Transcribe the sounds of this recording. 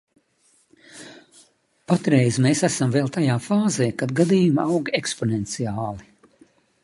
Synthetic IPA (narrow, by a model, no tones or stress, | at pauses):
pat̪ɾɛjzmeːsæsamvɛlˠt̪ajaːfaːzeːkad̪ɡad̪ijumawɡekspɔnɛnt̪siaːlˠi